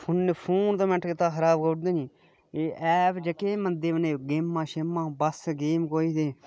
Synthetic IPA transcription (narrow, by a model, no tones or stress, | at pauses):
pʰʊnːepʰuːnt̪oːmɛ̃ʈʰkɪt̪ãːxəɾaːbkoʈd̪eːniː | eːɛːbd͡ʒəkeːmənd̪eːʋəneːɡeːmːãːʃemːãːbəsɡeːmkoːiːt̪eː